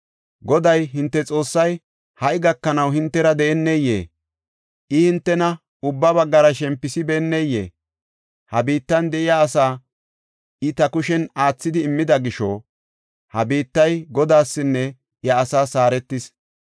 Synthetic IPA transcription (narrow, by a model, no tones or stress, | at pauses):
ɡɔd̪ɐjɦɪnt̪ːɛt͡sʼo̞ːsːɐj | hɐʔɪɡɐkːɐnɐwhɪnt̪ːɛɾɐd̪ɛʔɛnːɛjːḛː | ʔɪhɪnt̪ːɛnɐ | ʊbːɐbɐɡːɐɾɐʃɛmpːɪsɪbɛːnːɛjːḛː | hɐbiːt̪ːɐnd̪ɛʔɪjaːsaː | ɪt̪ɐkʊʃɛnaːt͡sːɪd̪ɪːmːɪd̪ɐɡɪʃɔ̰ | hɐbiːt̪ːɐjɡɔd̪aːsːɪnːɛ | jɐːsaːsaːɾɛt̪ːɪs